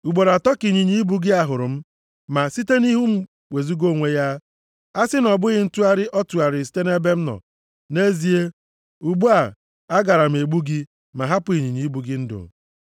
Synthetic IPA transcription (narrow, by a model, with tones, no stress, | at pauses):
u˨ɡ͡bo˨ɾa˨tɔ˦ki˨ɲi˨ɲi˦i˦bu˦ɡɪ˦a˦ɦʊ˨ɾʊ˨m̩˦ | ma˨si˦te˦ni˦ɦu˦m̩˦ | we˨zu˦ɡo˦˨ŋʷe˦ja˦ | a˦sɪ˦nɔ˨bʊ˦ɣɪ˨n̩˦tu˦a˦ɾɪ˦ʔɔ˦tu˨a˨ɾɪ˨s̬te˦ne˦be˦m̩˦nɔ̰˨ | ne˦zi˦e˦ | u˨ɡ͡bu˦a˨ | a˦ɡa˨ɾa˨m̩˨e˨ɡ͡bu˦ɡi˦ | ma˨ɦa˦pʊ˨i˨ɲi˨ɲi˨˦bu˨ɡɪ˦n̩˦dʊ̰˨m˨